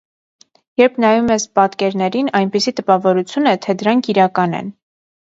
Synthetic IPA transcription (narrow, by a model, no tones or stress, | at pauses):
jɛɾpʰnɑjumɛspɑt̪kɛɾnɛɾinɑjnpisit̪əpɑvɔɾut͡sʰjunɛt̪ʰɛd̪əɾɑŋkʰiɾɑkɑnɛ̰n